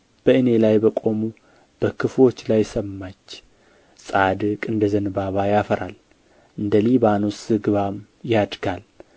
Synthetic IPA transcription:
b̥əʔɨne̞lajbəkʼo̞mu | b̥əkʰɨflo̞t͡ʃːlajsəmːat͡ʃː | sʼad̪ɨkʼɨnd̪əzənɨbaβajafəɾa̰l | ʔɨnd̪əliβano̞sɨɡɨβam | jad̪ɡal

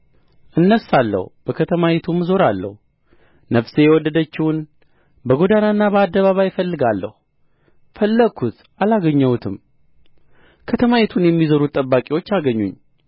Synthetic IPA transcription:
ʔɨnːəsalːə̰hub̥əkʰət̪ʰəmajɛt̪ʰumzo̞ɾalːə̰hu | nəfsejɛwɔd̪ːəd̪ət͡ʃːɪwʊn | bəɡo̞d̪ananːabəad̪ːəβaβajɪfəlːɨɡalːə̰hu | fəlːəkʰut̪ | alaɡəɲːəwut̪ʰɨm | kʰət̪ʰəmajɛt̪ʰunjɛmːizəɾut̪ʼːəbːakʼiwo̞t͡ʃːaɡəɲːṵɲː

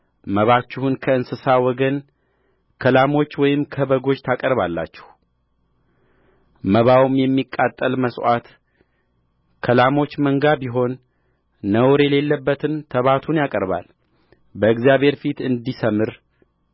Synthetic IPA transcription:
məβat͡ʃːɪhunkʰəɨnsɨsawɔɡən | kʰəlamo̞t͡ʃːwɔjɪmkʰəβəɡo̞d͡ʒt̪ʰakʼəɾβalːa̰t͡ʃːɛ̥h | məβawmjɛmːikʼːat̪ʼːəlməsʼwat̪ | kʰəlamo̞t͡ʃːməŋɡabiɦo̞nː | əwɾjɛle̞lːəbːət̪ʰɨnt̪ʰəβat̪ʰunjakʼəɾba̰l | bəɨɡzijaβhe̞ɾfit̪ɨnd̪isəmɨɾ

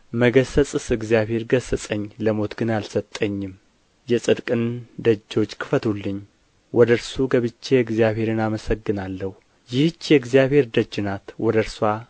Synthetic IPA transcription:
məɡəsət͡sʼɨsɨɡzijaβhe̞ɾɡəsəsʼəɲːləmo̞t̪ɡɨnalsət̪ʼːəɲːɪm | jɛsʼɨd̪kʼɨnd̪əd͡ʒːo̞t͡ʃːkʰɨ̥fət̪ʰulːɨɲ | wɔd̪əɾsuɡəβɨt͡ʃːeɨɡzjaβhe̞ɾɨnaməsəɡːɨnalːəhu | jɪht͡ʃːjɛɨɡzijaβhe̞ɾd̪əd͡ʒːɨnat̪wɔd̪əɾswa

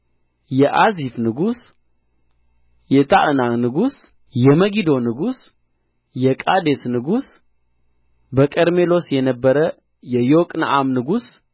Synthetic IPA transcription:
jɛʔazifnɨɡus | jɛt̪ʰaʔɨnanɨɡus | jɛməɡid̪o̞nɨɡus | jɛkʼad̪esnɨɡus | bəkʼəɾmelo̞sjɛnəbːəɾə | jɛjokʼna̰ʔamnɨɡus

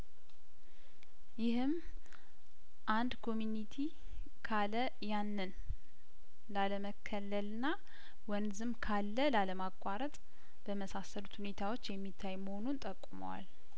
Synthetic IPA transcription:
jɪhɨm | ʔand̪kʰo̞mjunit̪ʰi | kʰalə | janːɨn | laləməkʰːəlːəlɨnːa | wɔnzɨmkʰalːəlaləmakʼaɾət̪ʼ | b̥əməsasəlut̪hune̞t̪ʰawo̞t͡ʃːjɛmːit̪ʰːajməho̞nunt̪ʼəkʼːumə̰wa̰l

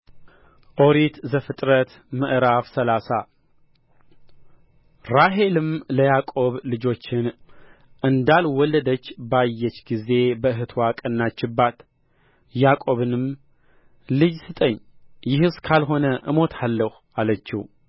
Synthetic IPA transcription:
ʔo̞ɾit̪zəfɨt̪ʼɾət̪ | məʔɾafsəlasa | ɾaɦe̞lɨmləjakʼo̞βlɨd͡ʒo̞t͡ʃːɪn | ʔɨnd̪alwɔlːəd̪ət͡ʃːbajːɛt͡ʃːɡize̞bəɨɦɨt̪ʰwakʼənːat͡ʃːɪbːat̪ | jakʼo̞βɨnɨm | lɨd͡ʒsɨt̪ʼəɲːjɪhɨskʰalɦo̞nəʔɨmo̞t̪ʰalːəh | alət͡ʃːḭw

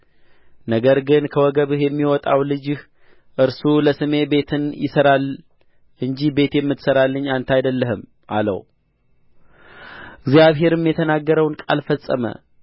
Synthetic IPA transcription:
nəɡəɾɡɨnkʰəwɔɡəβɨhjɛmːiwɔt̪ʼawlɨd͡ʒɪh | ʔɨɾsuləsɨme̞be̞t̪ʰɨnjɪ̰səɾal | ʔɨɲd͡ʒihbe̞t̪jɛmːɨt̪səɾalːəɲːant̪ʰajd̪əlːəɦɨm | ʔalə̰w | ɪɡzijaβɦe̞ɾɨmjɛt̪ʰənaɡːəɾəwnkʼa̰lfəsʼːə̰mə̰

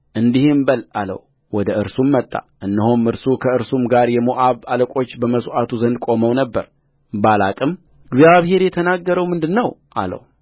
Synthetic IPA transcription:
ʔɨnd̪ihembəlalə̰w | wɔd̪əɨɾsumːət̪ʼːa̰ | ʔɨnːəhomɨɾsukʰəɨɾsumɡaɾjɛmoʔaβaləkʼo̞t͡ʃːbəməsʔat̪ʰuzənd̪̚kʼo̞məwnəbːəɾ | bala̰kʼɨm | ɨɡzjaβhe̞ɾjɛt̪ʰənaɡːəɾəwmɨnd̪ɨnːəwʔa̰lə̰w

